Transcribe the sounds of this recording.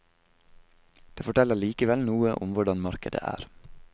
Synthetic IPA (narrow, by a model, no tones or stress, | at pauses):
d̪̥eːfɔʈʰɛləɭiːkəʋɛlnuːəʔʊmʋʊɖɑnmɑɾkəd̪ə̰ʔæ̰ːɾ